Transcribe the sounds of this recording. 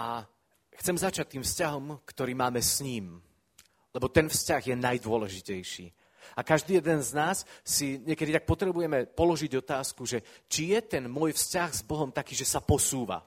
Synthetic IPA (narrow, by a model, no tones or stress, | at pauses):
ʔa | xt͡sɛmzat͡ʃac̚t̪iːmfscaɦɔmkt̪ɔɾiːmaːmɛsɲiːm | lɛbɔt̪ɛnfscaɣjɛnajd̪ʊɔlɛʒicɛjʃḭː | akaʒd̪iːjɛd̪ɛnznaːsːiɲɪɛkɛd̪it̪ak̚pɔt̪ɾɛbujɛmɛpɔlɔʒiɟɔt̪aːskuʒɛt͡ʃijɛt̪ɛnmʊɔjfscaɣz̥bɔɦɔmt̪akiːʒɛsapɔsuːʋa̰